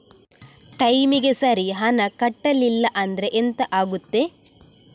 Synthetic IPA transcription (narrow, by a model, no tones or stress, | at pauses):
ʈɐjmiɡesɐɾiɦɐnɐkɐʈːɐlilːɐʔɐnd̪ɐɾeʔent̪ɐʔaːɡut̪ːe